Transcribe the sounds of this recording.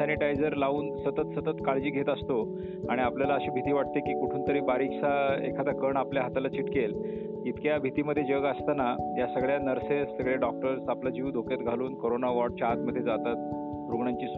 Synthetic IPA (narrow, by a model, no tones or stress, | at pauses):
ɛniʈajd͡zəɾlauːnsət̪ət̪sət̪ət̪kaɭd͡ʑiːɡʱet̪əst̪o | aɽ̃iapljalaəɕiːbʱit̪iːʋaʈ̚t̪ekiːkuʈʰuːnt̪əɾiːbaɾikʂaekʰad̪akəɳapljaɦat̪alat͡ɕiʈkel | it̪kjabʱit̪iːməd̪ʱːjed͡ʑəɡəst̪anajasəɡɭjanəɾsesəɡɭeɖɔk̚ʈəɾsaplad͡ʑiʋd̪ʱoket̪ɡʱaluːnkoɾonaʋɔʈt͡ɕaɦat̪məd̪ʱjed͡zat̪at̪̚ | ɾuɡɳaɲt͡ɕiːs